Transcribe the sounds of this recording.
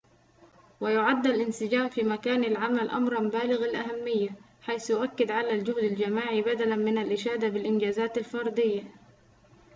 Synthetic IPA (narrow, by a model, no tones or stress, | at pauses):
wajʊʕad̪ːalʔɪnsɪd͡ʒaːmfiːmakaːnalʕamalʔa̰mɾˤɑmbaːlɪɣɪlʔaɦamːɪjːa | ħajθjʊʔakːɪd̪ʕalald͡ʒʊhd̪ald͡ʒamaːʕibad̪alanmɪnalʔɪʃaːd̪abɪlʔɪnd͡ʒaːzaːt̪alfɑɾˤd̪ɪjːa